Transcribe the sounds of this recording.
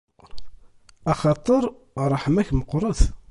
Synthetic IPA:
ɑχɑt̪ˤəɾˤ | ɾˤɑħəmæçməqːɾˤəθ

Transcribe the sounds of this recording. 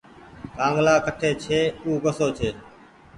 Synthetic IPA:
kãːŋɡlaːkʰəʈʰeːt͡ʃʰeːuːɡəsoːt͡ʃʰeː

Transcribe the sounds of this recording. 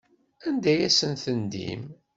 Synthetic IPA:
ænd̪æjæsənθənd̪ḭm

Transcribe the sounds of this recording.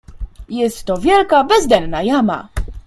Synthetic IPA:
jɛst̪ːɔvʲjɛlkabɛzd̪ɛlnajama̰

